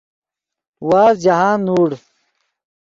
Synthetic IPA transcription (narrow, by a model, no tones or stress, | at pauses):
waːzd͡ʑaɦaːnːuːɽ